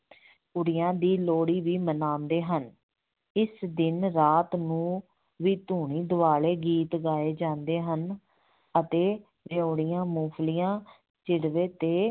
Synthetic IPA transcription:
kʊɽɪjãːd̪iːloːɽiːʋiːmənaːnd̪eːɦən | ɪsd̪ɪnɾaːt̪nũː | ʋiːt̪uːɳ̃iːd̪ʊʋaːleːɡiːt̪ɡaːeːd͡ʒãːnd̪eːɦən | ət̪eː | ʋeoːɽɪjãːmuːpʰlijãː | t͡ʃɪɽʋeːt̪eː

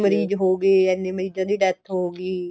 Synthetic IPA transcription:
məɾiːd͡ʒɦoːɡeːɛːnːeːməɾiːd͡ʒãːd̪iːɖɛt̪ʰɦoːɡiː

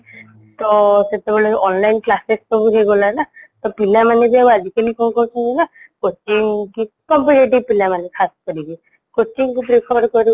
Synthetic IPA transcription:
t̪ɔset̪ebɔleɔnlajnklasestɔbuɦeɡɔlanat̪ɔpilamanebiabuad͡ʒikalikɔnkɔɾsʰɔnina | kot͡ʃiŋki | kɔmpuʈeʈipilamanekʰaskɔɾibi | kot͡ʃiŋkupɾipʰɔɾkɔɾu

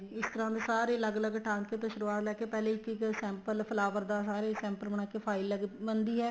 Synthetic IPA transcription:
ɪst̪əɾãːd̪eːsaːɾeːələɡələɡʈʰãːŋkeːt̪õːʃʊɾuːaːt̪lɛːkeːpɛːlẽːɪkɪksɛ̃ːmpəlpʰəlaːpəɾd̪aːsaːɾeːsɛ̃ːmpəlməɳ̃aːkeːpʰaːɪlːəɡbənd̪iːɦɛː

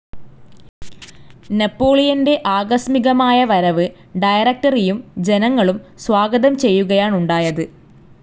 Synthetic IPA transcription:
nepːo̞ːɭijɐnde̞ʔaːɡɐsmiɣɐmaːjɐʋɐɾɐʋɨ | ɖɐjɐrɐk̚ʈɐrijumd͡ʑe̞nɐŋːɐɭumswaːɡɐðɐmt͡ɕe̞jːuɣɐjaːɳuɳɖaːjɐðɨ

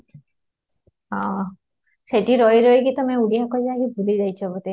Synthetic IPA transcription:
ɔ̃ | seʈiɾɔjɾojkit̪ɔmẽuɽijakɔjd͡ʒakibʱulid͡ʒajt͡ʃʰɔebut̪e

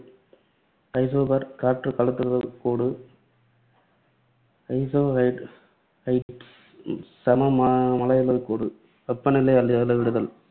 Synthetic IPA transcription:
ɐɪsoːbɐɾkaːɾʈrɯkɐɭɯt̪ːɯɾɯðɐkoːɽɯ | ɐɪsoːɦɐɪɖ | ɐɪʈ | sɐmɐmmɐlɐjɐlokːoːɽɯ | pɛpːɐnɪlɐɪɐlːɯlːɯʋɪɽɯðɐl

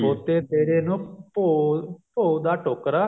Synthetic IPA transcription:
oːt̪eːt̪eːɾeːnũːpopoːd̪aːʈoːkɾaː

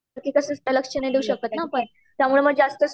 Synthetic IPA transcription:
ɾkikəsə̃sʈələkʂənajd̪euɕəkət̪napəɳ | t̪jamuɭeməɡd͡zast̪ə

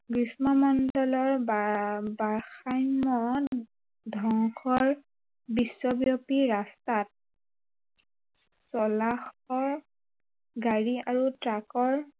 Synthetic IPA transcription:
kɹismɔmɔndɔlɔɹ | baɹxajmɔ | dʱɔŋxʰɔɹ | bisːɔbjɔpiɹastat̚ | sɔlaxɔɹ | ɡaɹiaɹutɹakɔɹ

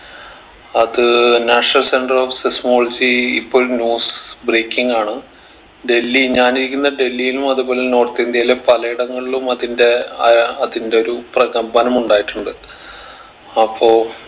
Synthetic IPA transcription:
ɐðɨnaːʂnɐlse̞ɳɖɐrofsesmo̞ːlɐd͡ʑiipːo̞ːnjuːsbreːkʲːiŋɡaːɳɨ | ɖe̞lːiɲaːniɾikʲːunːɐɖe̞lːijilumɐðubo̞ːle̞no̞ːrt̪ːiind̪jaːlepɐlɐiɽɐŋːɐɭɭumɐðinde̞ɐɐðinde̞o̞ɾuprɐɣɐmbɐnɐmuɳɖaːjiʈːuɳɖɨ | ɐpʰːo̞ː

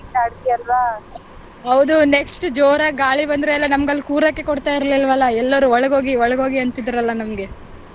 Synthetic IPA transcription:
t̪aːɖt̪ijɐlʋa | ɦɐʋd̪uneksʈd͡ʒoːɾɐɡaːɭibɐnd̪ɾeɛlːɐnɐmɐɡɐlːkuːɾɐkːe̞kɔɽt̪aːjiɾɐlilʋɐlːɐɛlːɐɾuɔɭɐɡo̞ːɡiɔɭɐɡo̞ːɡiɐnt̪id̪ɐɾɐlːɐnɐmɐɡe̞

